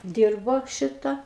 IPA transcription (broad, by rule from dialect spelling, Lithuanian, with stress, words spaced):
ˈdʲiːrboː ˈʃʲɪtɐ